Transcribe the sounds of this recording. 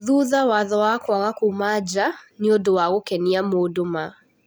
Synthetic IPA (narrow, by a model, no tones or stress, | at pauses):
ðuðawaðɔwakaɣakumad͡ʒaniodowaɣokɛniamodoma